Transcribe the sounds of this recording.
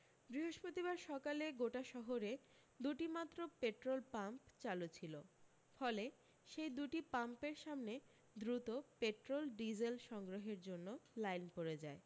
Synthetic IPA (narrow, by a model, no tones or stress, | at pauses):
bɾiɦoʃpɾot̪ibaɾʃɔkaleɡoʈaʃɔɦoɾe | d̪uʈimat̪ːɾopeʈɾolpampt͡ɕalut͡ɕʰilo | fɔle | ʃejd̪uʈipampeɾʃamne | d̪ɾut̪opeʈɾolɖid͡ʑelʃɔŋɡɾoɦeɾd͡ʑonːolajnpoɾed͡ʑae